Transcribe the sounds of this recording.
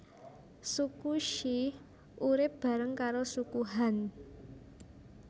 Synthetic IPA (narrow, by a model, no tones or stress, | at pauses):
sukuʃih | ʔuɾɪp̚b̥a̤ɾəŋkaɾosukuɦan